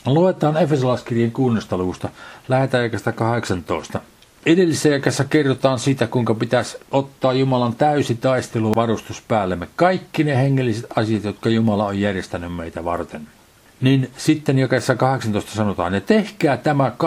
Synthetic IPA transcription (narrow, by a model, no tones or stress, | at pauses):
luet̪ɑːnefesolɑˑskirjeŋkuːnenːest̪ɑluʋust̪ɑlæhet̪æjɑkɑst̪ɑkɑheksɑnt̪oˑest̪ɑ | edelːisːæjɑkesːækerːot̪ɑːnsiːt̪ækuiŋkɑpit̪æsot̪ːɑːjjumɑlɑnt̪æysit̪ɑist̪eluʋɑrust̪uspæːlːemːekɑikːineheŋːelːiset̪ɑsijɑt̪jot̪kɑjumɑlɑojjærjest̪ænymmeit̪æʋɑ̰rt̪en | ninsit̪ːenjɑkɑesːækɑheksɑnt̪oˑest̪ɑsɑnot̪ɑ̰ːnjet̪ehkæːt̪æmæk